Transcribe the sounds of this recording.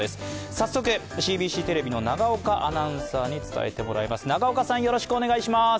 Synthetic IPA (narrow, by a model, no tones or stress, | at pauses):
e̞sɨ̥sasːo̞k̬ɯ̟ɕiːbʲiːɕiːt̪e̞ɾe̞bʲino̞naɡaokaʔanãɰ̃saːɲ̟it͡sɨ̥t̪a̰e̞̰t̪e̞mo̞ɾa̰imasɨnaɡaokasãɰ̃jo̞ɾo̞ɕi̥kɯone̞ɡaiɕimas